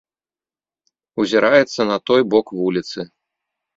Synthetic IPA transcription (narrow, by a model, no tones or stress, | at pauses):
uzʲɛɾʔajɛt̪sːɐnɐt̪ɔjbɔkvulʲit̪sɨ